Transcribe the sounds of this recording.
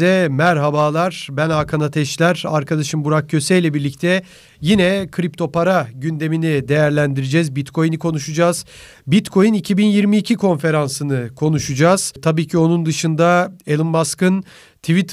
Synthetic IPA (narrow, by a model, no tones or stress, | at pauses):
ɛmæɾɦabaːlˠaɾbænakʰanat̪ʰɛʃlʲæɾaɾkʰad̪aʃɯmbuɾak̚cʰø̞sɛjlʲɛbiɾlʲic̚t̪ʰɛ | jinɛkʰɾip̚t̪ʰo̞pʰaɾaɟynd̪e̞minid̪e̞jæɾlʲænd̪iɾid͡ʒɛzbit̪kʰo̞jnikʰo̞nuʃud͡ʒaːz̥ | bit̪kʰo̞jɯnicʰibinjiɾmiːcʰikʰo̞nfe̞ɾansɯnɯkʰo̞nuʃud͡ʒaːz̥t̪ʰabiːcʰio̞nund̪ɯʃɯnd̪ae̞lˠɯmbaskɯn | t̪ʰivit̪